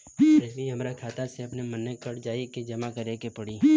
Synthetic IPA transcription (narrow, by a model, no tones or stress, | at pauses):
ɾd͡ʒmiɦɐmɾakʰaːt̪aseɐpnemɐnːekɐɽd͡ʒaːiked͡ʒɐmakɐɾekepɐɽi